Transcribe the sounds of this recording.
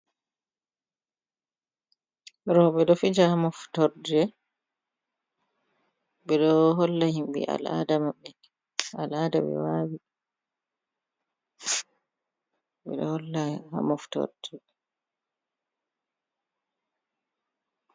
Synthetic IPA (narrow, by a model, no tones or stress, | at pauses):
ɾɔɓɛɗɔfid͡ʒahamɔftɔɾdɛ | bɛɗɔɦɔlːahimbḭʔa̰la̰damabːɛ | aladaɓɛ̰wawi | bɛ̰ɗɔhɔlːaha̰mɔftɔ̰ɾdɛ